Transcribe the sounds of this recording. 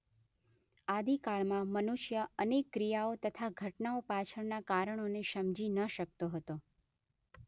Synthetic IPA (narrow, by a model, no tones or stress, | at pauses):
ad̪ikaɭmãmənuʃjəənekːɾijaot̪ət̪ʰaɡʱəʈnaopat͡ʃʰəɽnakaɾəɳ̃oneʃəmd͡ʒinəʃək̚t̪oɦət̪o